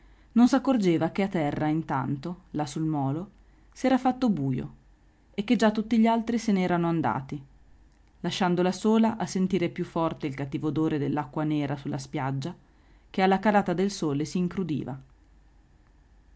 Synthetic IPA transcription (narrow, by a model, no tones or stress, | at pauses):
nonsakːord͡ʒeːvak̟eat̪ːɛrːaint̪a̰nt̪olasulmɔːlo | siɛːɾafat̪ːobuːjo̰ | ekːed͡ʒat̪ːut̪ːiʎːalt̪ɾiseneɛːɾanoand̪a̰ːt̪i | laʃːand̪olasoːlaʔasːent̪iːɾepjufːɔrt̪eilkat̪ːiːvod̪oːɾed̪elːakːwaneːɾasulːaspjad͡ʒːa | kealːakadaːt̪ad̪elsoːlesiːŋkɾud̪ḭːva̰